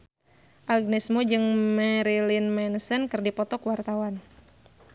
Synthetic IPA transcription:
ʔaɡ̚nɛsmud͡ʒɨŋmɛɾilinmɛnsənkɨrdipɔt̪ɔkwart̪awan

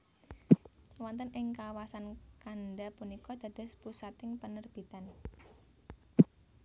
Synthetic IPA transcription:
wɔnt̪ənʔɪŋkawasankanɖapunikɔd̪̥ä̤d̪̥a̤spusat̪ɪŋpənərb̥i̤t̪an

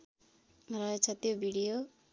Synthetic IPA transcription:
rʌɦet͡sʰʌt̪jobʱiɽijo

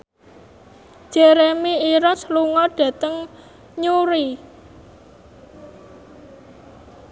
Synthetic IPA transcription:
d̥ʒ̥eɾemiiɾɔsluŋɔɖ̥ä̤t̪əŋ | ɲuɾi

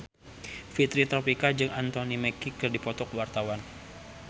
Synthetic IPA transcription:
fit̪ɾit̪ɾɔpikad͡ʒɨŋant̪onimɛkikərdipɔt̪ɔkəwart̪awan

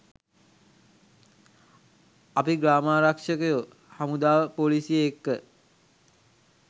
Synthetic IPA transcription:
apiɡɾaːmaːɾakʂəkəjo | hamud̪aːʋəpoːlisijeːkːə

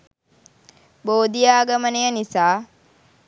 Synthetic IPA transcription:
boːd̪ijaːɡəmənejənisaː

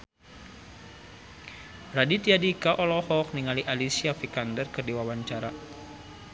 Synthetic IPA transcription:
radit̪iadikaʔɔlɔhɔk̚niŋaliʔalisiafikandərkərdiwawaɲt͡ʃaɾa

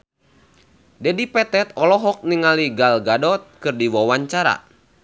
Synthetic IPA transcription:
dɛdipɛt̪ɛt̪̚ɔlɔɦɔk̚niŋaliɡalɡadɔt̪̚kɨrdiwɔwaɲt͡ʃaɾa̰

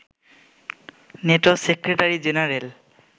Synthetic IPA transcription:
netɔsekɹetaɹizenaɹel

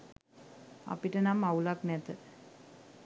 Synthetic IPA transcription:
a̰piʈənamaulaknɛt̪ə

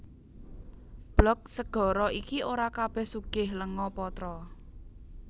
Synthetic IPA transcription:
b̥lɔk̚səɡ̥ɔ̤ɾɔikioɾakab̥ɛ̤hsuɡ̥ɪhləŋɔpɔt̪ɾɔ

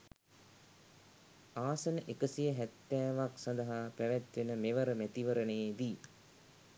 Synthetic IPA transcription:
aːsənəʔekəsijəɦæt̪ːæːʋaksãnd̪ɐɦaːpæʋæt̪ʋenəmeʋəɾəmæt̪iʋəɾəned̪iː

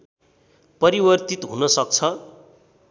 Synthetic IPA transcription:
pʌɾibʌrt̪it̪ɦunʌsʌkt͡sʰʌ

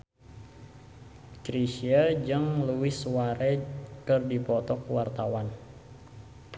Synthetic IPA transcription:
kɾisiad͡ʒəŋluwɪswaɾɛkɨrdipɔt̪ɔkwart̪awan

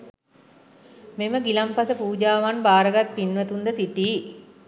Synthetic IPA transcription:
meməɡilampasəpuːd͡ʒaːʋanbaːɾəɡat̪̚pinʋət̪und̪əsiʈiː

